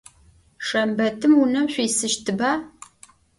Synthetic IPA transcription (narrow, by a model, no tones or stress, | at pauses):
ʂɐmbɐtʰɨmunɐmɕʷiːsɨʃtʰɨbaː